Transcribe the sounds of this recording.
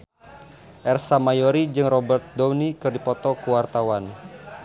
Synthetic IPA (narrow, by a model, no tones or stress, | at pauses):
ʔɛrsamajoɾid͡ʒɨŋrɔbɛrt̪̚dɔwnikɨrdipɔt̪ɔkuwart̪awan